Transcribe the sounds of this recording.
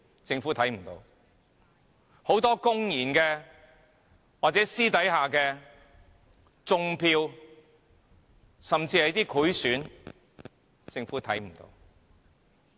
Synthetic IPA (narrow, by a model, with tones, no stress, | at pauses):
t͡sɪ˧ŋfu˨˥t̪ʰɐ˨˥jm̩˨˩t̪o̰˧w | ho˨˥wt̪ɔː˥kʊ˥ŋjiː˨˩nkɛː˧ | waː˨˩t͡sɛː˨˥siː˥t̪ɐ˨˥jɦaː˨˩kɛː˧ | t͡sʊ˧ŋpʰiː˧w | sɐ˨mt͡siː˧hɐ˨˥t̪iː˥kʰu˨˥jsyː˨˥n | t͡sɪ˧ŋfuː˨˥t̪ʰɐ˨˥jm̩˨˩t̪o̰˧w